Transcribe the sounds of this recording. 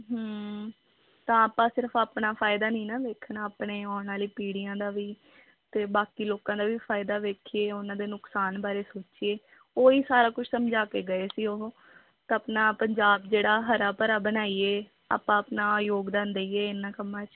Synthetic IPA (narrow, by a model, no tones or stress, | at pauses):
ɦə | t̪ãːaːpãːsɪɾpʰaːpnaːpʰaːɪd̪aːnĩːnaːʋeːkʰnaːaːpɳeːɔːnaːliːpiːɽɪjãːd̪aːʋiː | t̪eːbaːkiːloːkãːd̪aːʋiːpʰaːɪd̪aːʋeːkʰieːʊnãːd̪eːnʊksaːnbaːɾeːsoːt͡ʃieː | oːiːsaːɾaːkʊt͡ʃʰsəmd͡ʒaːkeːɡəeːsiːoɦ | t̪ːaːpnaːpəɲd͡ʒaːbd͡ʒeːɽaːɦəɾaːpəɾaːbənaːiːeː | a̰ːpãːəpnaːjoːɡd̪ãːnd̪eiːeːɪnːãːkəmːãːt͡ʃ